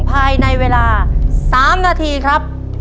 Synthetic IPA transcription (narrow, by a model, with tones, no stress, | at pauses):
ŋpʰaː˧jna˧jweː˧laː˧saː˩˦mnaː˧t̪ʰiː˧kʰɾa˦˥p̚